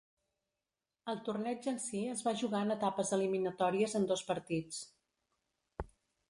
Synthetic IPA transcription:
əlˠt̪urnɛd͡ʒənsiəzβaʒuɣaənət̪apəzəliminət̪ɔɾiəzənd̪ospəɾt̪it͡s

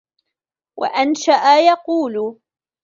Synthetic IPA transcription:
wʔa̰ʔanʃaʔajɑquːl

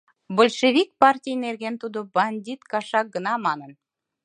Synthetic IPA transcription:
bolʲʃevʲik̚pɑrtʲijnerɣent̪ud̪obɑnʲdʲit̪kɑʃɑk̚ɡə̆nɑmɑnən

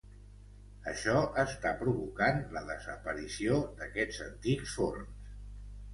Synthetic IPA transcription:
əʃɔʔəst̪apɾuβukanləðəzəpəɾisiod̪əkɛd͡zənt̪iksforms

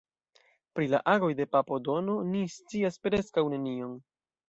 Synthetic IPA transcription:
pɾila̰ʔaɡo̞jde̞papo̞do̞no̞nist͡siaspɾe̞skawne̞nio̞n

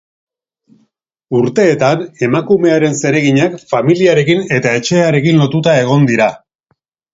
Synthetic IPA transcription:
uɾt̪e̞ːt̪ane̞makume̞aɾe̞nse̞ɾe̞ɣiɲakfamiliaɾe̞kine̞t̪ae̞t͡ʃe̞aɾe̞kinlo̞t̪ut̪ae̞ɣ̞o̞nd̪iɾa

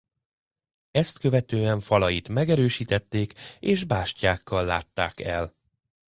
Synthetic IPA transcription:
ɛst̪kø̞vɛt̪øːɛɱfɒlɒjit̪mɛɡɛɾøːʃiːt̪ɛt̪ːeːkeːʒbaːʃcaːkːɒlːaːt̪ːaːkɛl

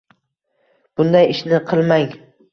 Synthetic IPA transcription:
b̥ʊnd̪ajɪʃnɪqʰɨlˠmaŋ

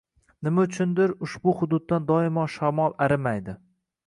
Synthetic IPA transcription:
nɪmaʊt͡ʃʰʊnd̪ɪɾʊʃbʊhʊd̪ʊd̪̚ːand̪ɒɪmɒʃamɒlˠaɾɪmajd̪ɪ

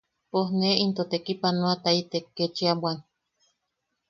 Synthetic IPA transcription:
pohneint̪ot̪ekipanoat̪ait̪ekːet͡ʃiabwan

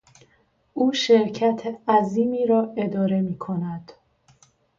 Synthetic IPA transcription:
ʔuːʃe̞ɾcʰæt̪ʰeæziːmiːɾɒːe̞d̪ɒːɾe̞miːkʰo̞næd̪̥

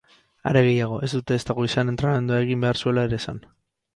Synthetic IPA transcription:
a̰ɾe̞ɣ̞e̞jaɣ̞o̞ʔe̞zd̪ut̪e̞ːst̪aɣ̞o̞isanent̪ɾame̞nd̪uae̞ɣimbe̞aɾsue̞laeɾe̞ːsan

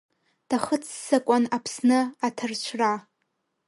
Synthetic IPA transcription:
d̥aχət͡sʰːakʷʼanapʰsnɨatʰɨrt͡ʃʷʰra

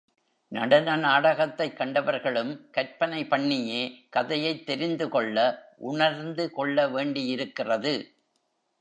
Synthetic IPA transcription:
nɐɽɐnɐnaːɽɐɣɐt̪ːɐɪkːɐɳɖɐʋɐɾɣɐɭɯmkɐɾpɐnɐɪpɐɳːɪjeːkɐðɐjɐɪt̪ːɛɾɪnd̪ɯkɔɭːɐʔʊɳɐɾnd̪ɯkɔɭːɐʋeːɳɖɪjɪɾɯkːɪrɐðɯ

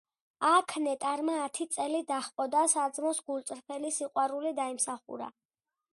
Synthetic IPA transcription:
akʰnɛt̪ʼaɾmaːt̪ʰit̪sʼɛlid̪aχpʼɔd̪asad̪zmɔsɡulˠt̪sʼɾpʰɛlisiqʼwaɾulid̪aimsaχṵɾa̰

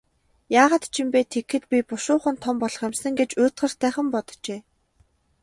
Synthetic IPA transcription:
jaːʁaːt̪t͡ɕʰimpeːt̪ʰekxɘ̆t̪pʲipʊʃʊːχə̆nt̪ʰɔmpɔɮɞ̆χemsə̆ŋɡet͡ɕʊːt̪χə̆r̥t̪ʰːæːχə̆mpɔt̪̆t͡ɕeː

